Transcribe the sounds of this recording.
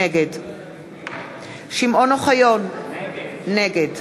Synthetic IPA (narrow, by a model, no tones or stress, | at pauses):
eɡed | ʃimʔonoχajonː | eɡed